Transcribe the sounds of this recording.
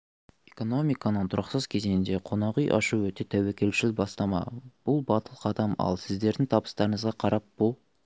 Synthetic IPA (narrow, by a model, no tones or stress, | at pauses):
e̞ko̞no̞mijkɑnənt̪ʰʊɾʔɑqsəz̥kʲʰe̞ze̞nd̪e̞qʰo̞nɑʁijʔɑ̰ʃuwɵt̪e̞t̪ʰæwekʲe̞lʃɪlbɑst̪ɑmɑ̰b̥ʊlˠbɑt̪əlˠqʰɑd̪ɑmɑ̰lˠsɪzd̪e̞ɾd̪ɪŋt̪ʰɑbə̥st̪ɑɾəɴəzʁɑqʰɑɾɑp̚bolˠ